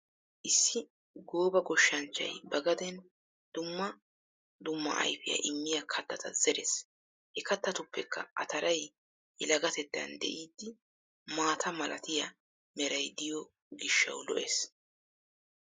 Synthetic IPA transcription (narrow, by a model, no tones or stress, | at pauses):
ʔɪsːɪ | ɡo̞ːbɐɡɔʃːɐnt͡ʃːɐ̰jbɐɡɐd̪ɛn | d̪̥ʊmːɐ | d̪ʊmːɐ̰ʔɐ̰jfɪjɐ̰ʔɪmːɪjɐkʰɐt̪ːɐt̪ɐzɛɾes | hɛkɐt̪ːɐt̪ʊpːɛkʰːɐ̰ʔɐt̪ɐɾɐj | ɛlɐɡɐt̪ɛt̪ːɐ̰nd̪ɛ̰ʔiːd̪ːɪ | maːt̪ʰɐmɐlʔɐt̪ɪjɐ | mɛɾɐjd̪ɪjɔ | ɡɪʃːɐ̰wlɔ̰ʔeːs